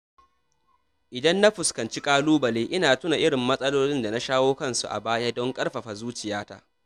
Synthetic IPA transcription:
ʔɪ˨dɐ˦nːa˦ɸʊ˨skɐ˨nt͡ʃi˦kʼaː˦luː˦bɐ˨leː˦ʔɪ˦naː˨tʊ˦na˨ʔɪ˦ɽɪ˨mːɐ˦sʼɐ˦loː˦lɪ˦nda˨na˦ʃaː˦woː˦kɐ˦nsu˨ʔa̰˨baː˦ja˦dɔ˦ŋkʼɐ˦rɸɐ˨ɸa˨zuː˦t͡ʃɪ˨jaː˦ta̰ː˦

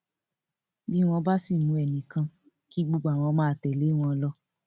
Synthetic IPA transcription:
bi˦w̃ɔ̃˧ba˦si˦˨mũ˨˧˦ɛ˨nĩ˨kã˧ | ki˦ɡ͡bo˧ɡ͡ba˨w̃ɔ̃˧mãː˦˧˨tɛ˨le˨˦w̃ɔ̃˧lɔ˦

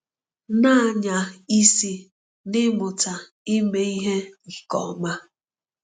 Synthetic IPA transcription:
na˦˨ɲa˨i˦si˨ | nɪ˦mʊ˨ta˨ | i˦me˦i˦ɦe˦ŋ̩˨kɔ̰˨˦ma˦

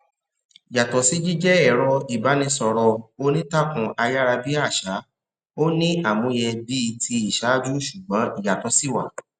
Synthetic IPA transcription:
i˨ja˨tɔ˨si˦d͡ʒi˦d͡ʒɛ˦ɛ˦˨ɾɔ˧i˨ba˨˦nĩ˧sɔ˧ɾɔ˧o˦nĩ˦ta˦kũ˨˧ʔa˧ja˦ɾa˧bi˦a˦˨ʃa˨˦ | o˦nĩ˦a˦˨mũ˨˧jɛ˧bi˦˧tʰi˧i˨ʃa˨˦d͡ʒu˦ʃu˨ɡ͡bɔ̃˨˦i˦˨ja˨tɔ˨˦si˦˨wa̰˦˨

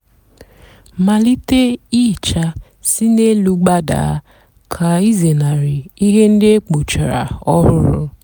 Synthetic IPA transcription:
ma˨li˦te˦i˦˨t͡ʃa˦ | si˦ne˦lu˦ɡ͡ba˦da̰˨˦ | kʰa˨i˦ze˨na˨ɾɪ˨i˦ɦe˦n̩˦dɪ˦e˦k͡po˨t͡ʃa˨ɾa̰˨ɔ˦ɾʊ˦ɾʊ̰˦

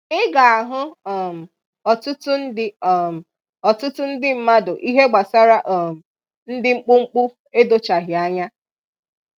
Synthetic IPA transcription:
ɪ˦ɡa˨a˨ɦʊ˦˨m̩˨ | ɔ˨tʊ˦tʊ˦n̩˦dɪ˦˨m̩˨ | ɔ˨tʊ˦tʊ˦n̩˦dɪ˦m̩˨ma˦dʊ˨ʔi˦ɦe˦ɡ͡ba˨sa˦ɾa˦ʔɔ˦˨m̩˨ | n̩˦dɪ˦ŋ͡m̩˦k͡pʊ˦ŋ͡m̩˦k͡pʊ˦ | e˦do˦t͡ʃa˨ɦɪ˨a˦ɲa˦

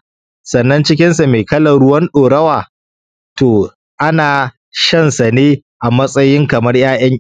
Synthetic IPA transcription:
sɐ˨nːɐ˦nt͡ʃɪ˦k̬ʲɪ˦nsa˨meː˨kɐ˦lɐ˨ɽʊ˦wɐ˦nɗoː˨ɽɐ˦waː˨ | toː˨ | ʔa˦naː˨ | ʃɐ˦nsa˨neː˦ | ʔa˨mɐ˦sʼɐ˦jɪ˦ŋkɐ˨mɐ˦rj̰aː˦j̰ɐ˦ŋ

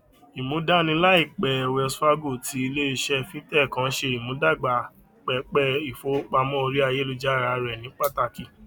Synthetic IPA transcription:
i˨mũ˨˦da˦nĩ˧˦la˦i˦˨k͡pɛ˨wɛ˧su˦a˦ɡo˦˨ti˧˦i˧le˦i˧ʃɛ˧fĩ˦tɛ˦˨kã˧˦ʃe˧˨i˨mũ˨˦da˦˨ɡ͡ba˨ | k͡pɛ˨k͡pɛ˧˨i˨fo˨˦k͡pa˧mɔ̃˦o˧ɾi˦a˦˧je˦lu˧d͡ʒa˦˨ɾa˨˦ɾɛ˨nĩ˨˦k͡pa˦˨ta˧ki˧˨

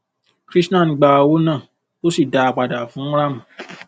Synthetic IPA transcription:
kɾi˦snã˦˨ĩ˨˧ɡ͡ba˧wo˦nãː˦˨ | o˦si˦˨da˧a˧k͡pa˨da˨fũ˨˦ɾa˦˨mũ˨

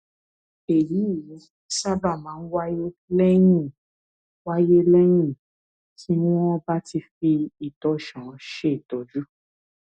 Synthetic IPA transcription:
e˨ji˨˦˨ji˨˦ | sa˦ba˦˨mãː˨˦n̩˦wa˦je˦lɛ˦j̃ĩ˦˨ | wa˦je˦lɛ˦j̃ĩ˦˨ | tʰi˦w̃ɔ̃˦ba˦ti˧fi˧i˨tɔ˨˦ʃã˨ʃe˦i˨tɔ˨d͡ʒu˦

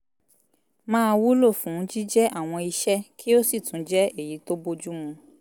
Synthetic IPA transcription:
mãː˦˧wu˦lo˦˨fũ˨˦d͡ʒi˦d͡ʒɛ˦ʔa˦˨w̃ɔ̃˧i˧ʃɛ˦kʰi˦o˦si˦˨tũ˨˦d͡ʒɛ˦e˦˨ji˨˦to˦bo˦d͡ʒu˦mũ˧

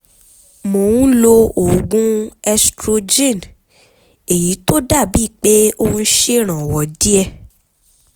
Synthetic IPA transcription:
mo˨wũ˦lo˧o˨ɡũ˦ɛ˧stɾo˧d͡ʒẽ˦˨n | e˨ji˨˦to˦da˦˨bi˦˨k͡pe˦õ˦˧˦ʃe˦ɾ̃ã˨wɔ˨di˦ɛ˦˨

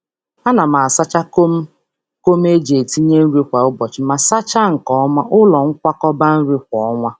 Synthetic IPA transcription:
a˦na˨ma˨a˨sa˦t͡ʃa˦ko˦m̩˦ | ko˦m˦e˦d͡ʒe˨e˨ti˦ɲe˦n̩˦ɾe˦kʷa˨ʊ˦bɔ˨t͡ʃɪ˨ma˨sa˦t͡ʃa˦ŋ̩˨kɔ˦ɔ˦ma˦ʔʊ˦lɔ˨ŋ̩˦kʷa˦kɔ˦ba˦n̩˦ɾi˦kʷɔ˨˦ɔ˦ŋʷa˦

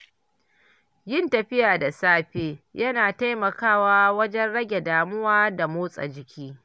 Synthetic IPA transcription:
jɪ˦ntɐ˨ɸɪ˦jaː˨da˨saː˦ɸeː˦jɐ˦naː˨ta˦jmɐ˨kaː˦˨waː˦wɐ˦d͡ʒɛ˦nɽɐ˦ɡʲe˨daː˨mʊ˦waː˦da˨moː˦sʼɐ̰˨d͡ʒɪ˨kʲʰiː˦

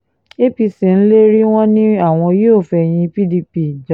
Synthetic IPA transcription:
e˦pi˧se˨ñ̩˦le˦ɾi˦w̃ɔ̃˦nĩ˦a˦˨w̃ɔ̃˧˦jo˦˨fɛ˧j̃ĩ˧pi˦di˧pi˦˨d͡ʒa˨˦˨

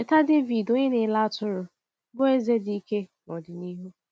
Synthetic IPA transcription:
e˨ta˦de˦vi˨do˦ɲɪ˦nɪ˨˦la˦tʊ˦ɾʊ˨˦ | bo˦e˦ze˦di˨i˦ke˦nɔ˨dɪ˨ni˦ɦu˦

